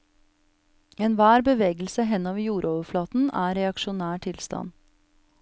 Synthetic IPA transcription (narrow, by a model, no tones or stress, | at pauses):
eːnʋæːɾbəʋeːɡəl̩səɦɛnɑʋjuːɾʔoːʋəɾflɑːt̪n̩æːɾɛɑkʃʊnæːʈʰɪlst̪ɑ̰n